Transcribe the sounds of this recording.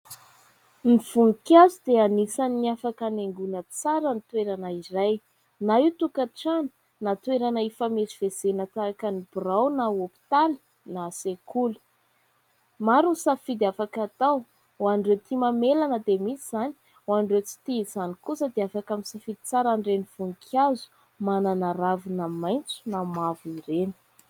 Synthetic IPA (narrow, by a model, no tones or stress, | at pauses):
niv̥uŋikazid̪eanisanniafakaneŋɡunət͡saɾənit̪weɾanairaj | naiwt̪ukaʈ͡ʂani̥ | nat̪weɾanaifameziv̥ez̥enat̪akənib̥rawnaopi̥t̪ali̥ | nasekulu̥ | maɾusafid̪afakat̪aw | wanɖ͡ʐet̪ʰimamelanəd̪emisiz̥ani̥ | wanɖ͡ʐewt͡si̥t̪izanikusəd̪eafakamisafid̪i̥t͡saɾaɳɖ͡ʐeniv̥uŋkʰazu̥ | mananaɾavunamajnt͡su̥namavuiɾeni̥